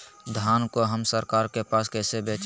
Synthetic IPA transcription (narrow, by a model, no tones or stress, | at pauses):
d̪ʱaːnkoɦəmsəɾkaːɾkepaːskɛːsebeːt͡ʃ